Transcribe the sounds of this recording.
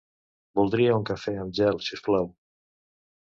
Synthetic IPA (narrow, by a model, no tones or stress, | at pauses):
bulˠd̪ɾiauŋkafɛamʒɛlˠsisplaw